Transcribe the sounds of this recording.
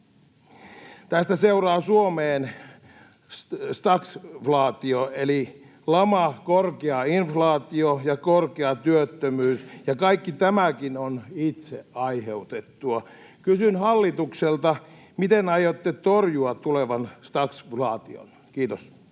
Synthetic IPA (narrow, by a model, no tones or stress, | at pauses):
t̪æst̪æseurɑːsuomeːn | st̪ɑksflɑːt̪ioeli | lɑmɑkorkeɑinflɑːt̪iojɑkorkeɑt̪yøt̪ːømyːsjɑkɑikːit̪æmækinonit̪seɑiheut̪et̪ːuɑkysynhɑlːit̪ukselt̪ɑ | mit̪enɑjot̪ːet̪orjuɑt̪t̪uleʋɑnst̪ɑksflɑːt̪io̰n | kiːt̪os